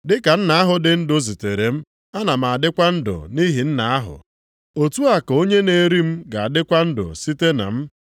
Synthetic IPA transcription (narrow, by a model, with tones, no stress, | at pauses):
dɪ˦ka˨n̩˦na˦a˦ɦʊ˨dɪ˨n̩˦dʊ˦zi˨te˨ɾe˨m̩˦ | a˦na˨m̩˨a˨dɪ˦kʷa˦n̩˦dʊ̰˨ni˦ɦi˨n̩˦na˨a˦ɦʊ̰˨ | o˨tu˦a˨ko˦ɲe˦ne˨ɾi˦m̩˦ɡa˨a˨dɪ˦kʷa˦n̩˦dʊ̰˨si˦te˦na̰˨m̩˦